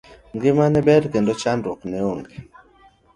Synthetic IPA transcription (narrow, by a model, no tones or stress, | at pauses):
ŋɡɪmanɛbɛɾkendot͡ʃandwɔknɛoŋɡe